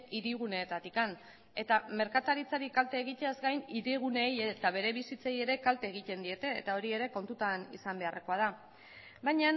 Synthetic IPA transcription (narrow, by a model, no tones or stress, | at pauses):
iɾiɣ̞une̞ːt̪at̪ikan | e̞t̪ame̞ɾkat̪aɾit͡saɾikalt̪e̞ːɣ̞it̪eazɡajniɾiɣ̞une̞jet̪aβe̞ɾe̞βisit͡saje̞ɾe̞kalt̪e̞ːɣ̞it̪e̞nd̪ie̞t̪e̞ːt̪ao̞ɾie̞ɾe̞ko̞nt̪ut̪anḭsambe̞arʔe̞ko̞að̞a | bajɲa